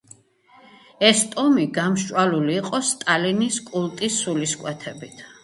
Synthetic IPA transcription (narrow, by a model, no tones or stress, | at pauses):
ɛst̪ʼɔmiɡamʃʼwaluliːqʼɔst̪ʼaliniskʼulˠt̪ʼisːuliskʼwɛt̪ʰɛbit̪ʰ